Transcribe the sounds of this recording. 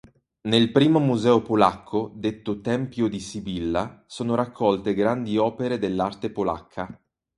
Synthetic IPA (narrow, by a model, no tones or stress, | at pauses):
nelpɾiːmomuzɛːopolakʰːod̪et̪ːot̪ɛmpjod̪isibilːasoːnoɾakʰːɔlt̪eɡɾand̪iɔːpeɾed̪elːart̪epola̰kʰːa